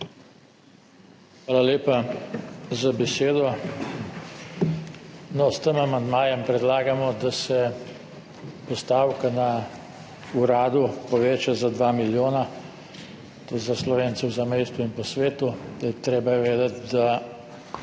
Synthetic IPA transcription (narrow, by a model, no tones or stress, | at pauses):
xʋaːlaleːpa | zabɛseːd̪ɔ | nɔst̪əmamand̪maːjɛmpɾɛd̪laːɡamɔd̪asɛ | pɔst̪aːwkana | uɾaːd̪upɔʋeːt͡ʃazad̪ʋaːmiljoːna | t̪ozaslɔʋeːnsɛwzamɛjst̪uinpɔsʋeːt̪ud̪̥ajɛt̪ɾeːbaɛʋeːd̪at̪d̪a